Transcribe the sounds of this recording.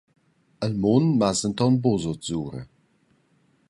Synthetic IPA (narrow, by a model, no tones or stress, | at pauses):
əlmonmazəntɔnbozotz̥uːɾə̰